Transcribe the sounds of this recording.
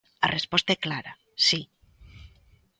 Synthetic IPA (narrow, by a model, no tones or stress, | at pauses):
a̰rʔespɔst̪aɛklaɾa | si